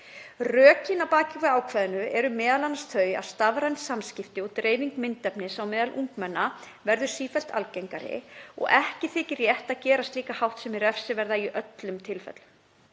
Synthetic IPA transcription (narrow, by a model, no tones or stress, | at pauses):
rœːcinapaːcɪkvɪaːwkʰvɛðɪnʏɛɾʏmɛːðalanasθœːɥja̰ðst̪avɾansːamscɪft̪ɪut̪ɾeːjviŋkmɪnt̪ɛpnɪsawmɛːðalʔuŋkmɛnːa | vɛɾðʏ̥siːfɛl̥t̪ʰa̰lcɛjŋkaɾɪ̰ɔ̰ɣɛhcɪθɪːcɪrjɛht̪aðcɛːɾast̪liːkahawht̪sɛmɛɾɛfsɪvɛɾðaiʔœt̪lʏmt̪ʰɪlfɛ̰t̪lm